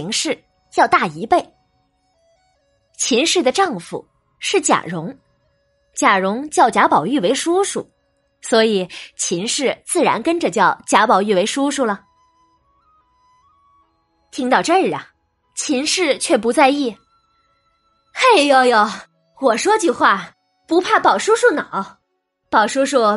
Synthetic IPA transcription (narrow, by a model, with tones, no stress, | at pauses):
ŋʂɻ̩˥˩ | jɑ˥˧ʊt̪a˥˩i˧˥pe˥˩ɪ | t͡ɕʰi˧˥nʂɻ̩˥˩d̪ə˩ʈ͡ʂɑ˥˩ŋfṵ˨˩˦ | ʂɻ̩˥˩t͡ɕja̰˨˩ɻʊ˧˥ŋ | t͡ɕja˨˩ɻʊ˧˥ŋt͡ɕjɑ˥˩ʊt͡ɕja˧˥pɑ˨˩ʊy˥˩we˧˥ɪʂu˥ʂṵ˨˩ | swɔ˧˥i˨˩˦t͡ɕʰi˧˥nʂɻ̩˥˧t͡sɹ̩˥˩ɻa̰˧˥nkə˥nʈ͡ʂə˨t͡ɕjɑ˥˩ʊt͡ɕja˧˥pɑ˨˩ʊy˥˩we˧˥ɪʂu˥ʂu˥˩lə˩ | t̪ʰi˧˥ŋt̪ɑ˥˧ʊʈ͡ʂə˥˩˧ɻ̩˨˩ɐ˩ | t͡ɕʰi˧˥nʂɻ̩˥˧t͡ɕʰɥɛ˥˩pu˧˥t͡sa˥˧ɪi˥˩ | xe˥˩ɪjo˥˩ʊjo˧˩ | wɔ˨˩ʂwɔ˥t͡ɕy˥˧xwa˥˩ | pu˧˥pʰa˥˩pɑ˨˩ʊʂu˥ʂu˥˩nɑ˨˩˦ʊ | pɑ˨˩ʊʂu˥ʂu˥˩